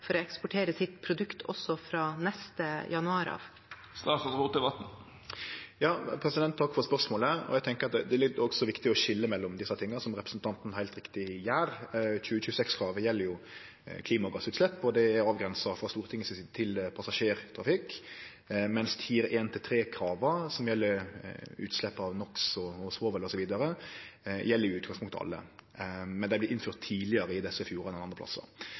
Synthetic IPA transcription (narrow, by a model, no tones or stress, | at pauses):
fɔɾɔɛkspʊʈʰeːɾəsɪt̪̚pʰɾʊd̪ʉkt̪ʰɔ̰sːɔfɾɑːnɛst̪əjɑnʉɑːɾɑ̰ːʋ | st̪ɑːsɑsʁuːt̪əʋɑt̪n̩ | jɑːpʰɾɛsɪd̪ɛnt̪ʰt̪ʰːɑkːfɔɾspœʁsmoːləæɔ̰æɡt̪ʰɛŋkəɾɑt̪d̪ɛlɪɔɡsɔʋɪkt̪ɪɔɕɪlːəmɛlːɔmd̪ɪsːɑt̪ʰɪŋːəsɔmɾɛpɾəsn̩t̪ʰɑnt̪n̩hæɪlt̪ɾɪkt̪ɪjæːɾçʉːəçʉːəsɛksɡɾɑːʋəjɛlːəɾjʊ | kʰliːmɑɡɑsʉːt̪slɛpːɔd̪ɛæɾɑːʋɡɾɛnsɑfɾɑst̪uːɾt̪ʰɪŋːəsɪt̪ʰɪlpʰɑsɑʂeːɾt̪ʰɾɑfɪk | mɛnst̪fiːɾəʔeːnt̪ʰɪlt̪ʰɾeːkʰɾɑːʋəsɔmjɛlːəɾʉ̰ːt̪slɛpːɑʋnɔksɔɔsʋoːʋəlɔsɔʋiːd̪ɑɾə | jɛlːəɾɪjʊʉːt̪ɡɑŋspʊŋkt̪əɑ̰lːə̰ | mɛnd̪æɪblɪʔɪnfyːɾt̪ʰːiːlɪəɾəɪd̪ɛsəɪfjuːɾɑd̪ɛnɑnd̪əpʰlɑ̰sɑ̰